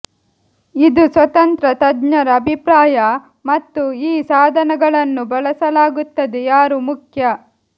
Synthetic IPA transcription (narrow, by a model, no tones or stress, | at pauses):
id̪usʋɐt̪ɐnt̪ɾɐt̪ɐdɲɐɾɐːbʱipɾaːjɐ | mɐt̪ːuiːsaːd̪ʱɐnɐɡɐɭɐnːubɐlɐsɐlaːɡut̪ːɐd̪ejaːɾumukʰjɐ